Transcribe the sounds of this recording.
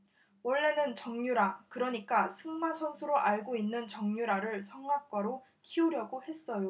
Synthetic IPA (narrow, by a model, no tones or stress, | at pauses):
wʌɭːe̞nɯnt͡ɕʌŋɲuɾakɯɾʌɲik͈asʰɯŋmasʰʌŋsʰuɾoʔaɭɡoinːɯnt͡ɕʌŋɲuɾaɾɯɭsʰʌŋɡak̚k͈waɾo | kʰiuɾjʌɡohe̞s͈ʌjo